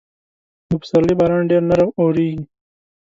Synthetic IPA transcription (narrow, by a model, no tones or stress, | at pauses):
upsɐɾlibaɾaːɳɖeːɾnɐɾəwoːɾiːɡi